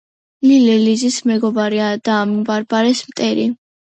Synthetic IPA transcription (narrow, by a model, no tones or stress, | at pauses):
lilɛlizismɛɡɔbaɾiad̪̥aːmbaɾbaɾɛsmt̪ʼɛɾi